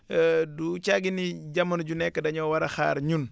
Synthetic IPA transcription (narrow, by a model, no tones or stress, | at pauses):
dut͡ʃaɡiniɟɐmːɐnuɟunɛkːɐdɐɲɔwɐɾɐxa̰ːɾɲun